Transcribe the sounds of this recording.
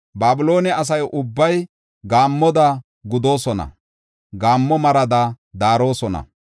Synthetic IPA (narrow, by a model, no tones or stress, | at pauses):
baːbɪlo̞ːnɛɐs̬ɐjʔʊbːɐj | ɡaːmːɔd̪a | ɡʊd̪o̞ːsɔnɐ̰ | ɡaːmːɔmɐɾɐd̪a | d̪aːɾo̞ːsɔnɐ̰